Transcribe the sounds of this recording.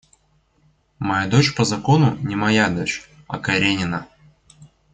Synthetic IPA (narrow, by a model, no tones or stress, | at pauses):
mɐjad̪o̞t͡ɕpəzɐko̞nunʲɪmɐjad̪o̞t͡ɕ | ɐ̰kɐɾʲenʲɪnə